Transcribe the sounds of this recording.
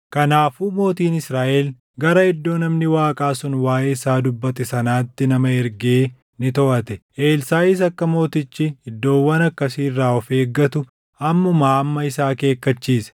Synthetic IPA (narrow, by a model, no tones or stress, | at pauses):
kɐnaːfuːmo̞ːt̪iːnɪsɾaːʔɛl | ɡɐɾɐɪd̪ːo̞ːnɐmnɪwaːkʼaːsʊnwaːʔeːɪsaːd̪ʊbːɐt̪ɛsɐnaːt̪ːɪnɐmɐɛɾɡeː | nɪt̪ɔʔɐt̪ɛʔe̞ːlsaːjɪs̬ɐkːɐmo̞ːt̪ɪt͡ʃːɪɪd̪ːo̞ːwːɐnɐkːɐsiːrːaːɔfe̞ːɡːɐt̪ʊ | ɐmːʊmaːɐmːɐɪsaːke̞ːkːɐt͡ʃːiːsɐ̥